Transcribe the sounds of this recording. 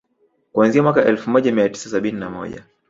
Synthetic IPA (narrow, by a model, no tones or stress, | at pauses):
kuanziamwakaʔɛlfumɔʄamiati̥sasaɓininamɔ̰ʄa̰